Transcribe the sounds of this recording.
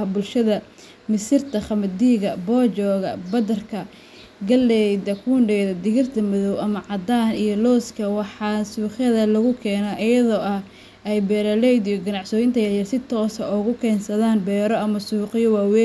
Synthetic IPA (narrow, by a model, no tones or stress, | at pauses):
bʊlʃɐðɐ | mɪsɪrt̪ʰɐχɐmɐd̪iːɣɐbɔːt͡ʃɔːɣɐbɐd̪ɐrkʰɐ | ɡɐlːɛjd̪ɐkʰuɳɖɛːðɐd̪ɪɣɪrt̪ʰɐmɐðɔwʔɐmɐʕɑd̪aːnijɔlɔːskʰɐwɑħɑsuːχjɐðɐlɐɣʊkʰɛːnɐʔɪjɐðɔːʔɐh | ʔɛjbɛːɾɐlɛjd̪ijɔɡɐnɑʕsɔːjɪnt̪ʰɐjɐjɐrsɪt̪ʰɔːsɐɔɣʊkʰɛːnsɐðaːnbɛːɾɔʔɐmɐsuːqɪjɔwɑːwɛ